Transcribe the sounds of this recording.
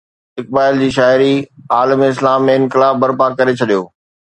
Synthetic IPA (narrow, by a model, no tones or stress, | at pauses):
ɪk̚baːɪld͡ʑiːʃaːɪɾiaːləmɪs̬laːmːẽɪnkɪlaːbɐɾpakːɐɾet͡ɕʰɐɗijoː